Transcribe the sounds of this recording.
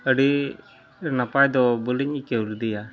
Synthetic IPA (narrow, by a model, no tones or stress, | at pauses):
əɖi | napajd̪ɔbuliɲikɛuld̪ija